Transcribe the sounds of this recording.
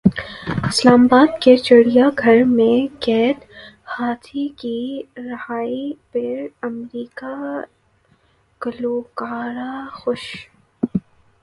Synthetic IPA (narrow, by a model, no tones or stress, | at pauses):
ɪslaːmabaːd̪ket͡ʃəɽijaɡʱɐɾmẽkɛːt̪ | haːt̪ʰikiɾɐhaːipɪɾɐmɾiːka | kɐluːkaːɾaxʊʃ